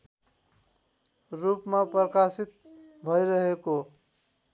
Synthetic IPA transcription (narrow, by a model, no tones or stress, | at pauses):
rupmapʌkasit̪̚ | bʱʌjɾʌɦeko